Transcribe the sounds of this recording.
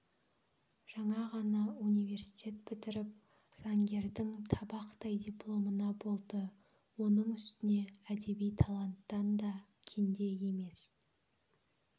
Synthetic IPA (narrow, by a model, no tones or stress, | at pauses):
ʒ̥ɑɴɑʁɑnɑunijve̞rsi̥t̪ʲe̞t̪̚pʰɪt̪ɪɾɪp̚ | z̥ɑŋɡʲe̞ɾd̪ɪŋt̪ʰɑbɑqt̪ɑjd̪ʲijplˠo̞mənɑbo̞lˠd̪ə | wo̞nəɴʏst̪ɪne̞æd̪e̞bijt̪ʰɑlˠant̪ːɑnd̪ɑkʲʰend̪e̞je̞me̞s